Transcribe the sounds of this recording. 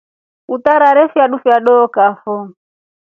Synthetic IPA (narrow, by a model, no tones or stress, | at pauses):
ut̪aɾaɾɛfjaɗufiaɗɔːkafɔ